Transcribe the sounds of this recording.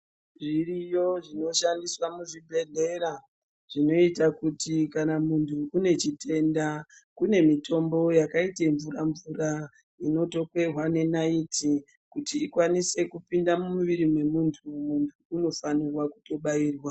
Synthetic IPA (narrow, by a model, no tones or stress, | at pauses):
ʐirijo̞ʐino̞ʃandiswamuʐibʱe̞ɮe̞ɾa | ʐ̥ino̞itakutikanamuntʰuːne̞t͡ʃitʰe̞ndakune̞mitʰo̞mbo̞jakaiteɱvuraɱvura | ino̞to̞kwe̞rwane̞naiti | kutiːkwanise̞kupindamumuʋiɾimwe̞muntʰumuntʰuːno̞fanirwaku̥to̞ɓaiːrwa